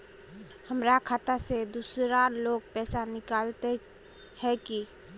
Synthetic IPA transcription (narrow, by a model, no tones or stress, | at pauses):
həmɾakʰaːt̪əsed̪usɾaloɡ̚pɛːsanɪkalt̪e | hɛki